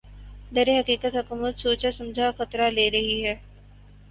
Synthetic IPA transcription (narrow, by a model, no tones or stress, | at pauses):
d̪ɐɾeɦɐkiːkət̪ɦɐkumət̪suːt͡ʃasɐ̃md͡ʒʱaxɐt̪ɾaleːɾɐɦiɦɛː